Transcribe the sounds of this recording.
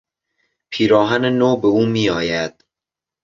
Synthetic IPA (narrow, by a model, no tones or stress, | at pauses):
pʰiːɾɒːɦænenoːbeuːmiːɒːjæd̪̥